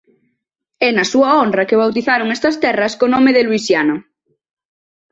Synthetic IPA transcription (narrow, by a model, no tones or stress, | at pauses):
ɛnɐsuɐondrɐkeβ̞awt̪iθaɾoŋest̪ɐst̪ɛrɐskonõmeðelwisjano